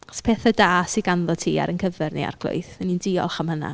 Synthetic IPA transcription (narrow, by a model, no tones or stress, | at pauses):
ɔspʰeːθadaːsiɡanðɔtʰiːa̰ɾənkʰəvɛrnḛa̰rɡ̥lˠʊ̰jθɛnindiɔ̰lˠχamhəna̰